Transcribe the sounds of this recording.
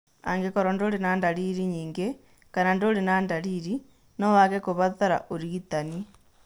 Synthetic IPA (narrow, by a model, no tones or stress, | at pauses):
a̰ŋɡekoɾondolenandaliɾiɲiːŋɡe | kanandolinandaliːɾi | nowaɣekoβataɾa̰ʔoɾiɡitani